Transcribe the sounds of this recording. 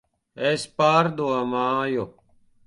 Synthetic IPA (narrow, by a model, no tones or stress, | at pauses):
espaːɾd̪oɐmaːjo